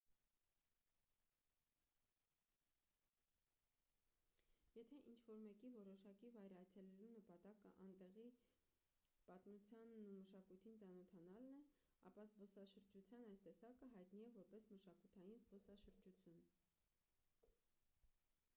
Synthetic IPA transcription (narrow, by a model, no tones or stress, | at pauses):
jɛt̪ʰɛʔint͡ʃʰvɔɾmɛkivɔɾɔʃɑkivɑjɾɑt͡sʰɛlɛɾunəpɑt̪ɑkəʔɑnt̪ɛʁi | pɑt̪nut͡sʰjɑnːuməʃɑkujt̪ʰint͡sɑnɔt̪ʰɑnɑlnɛ | ɑ̰pɑzbɔsɑʃəɾd͡ʒut͡sʰjɑnɑjst̪ɛsɑkəɦɑjt̪niɛvɔɾpɛsməʃɑkut̪ʰɑjinzbɔsɑʃəɾd͡ʒut͡sʰjun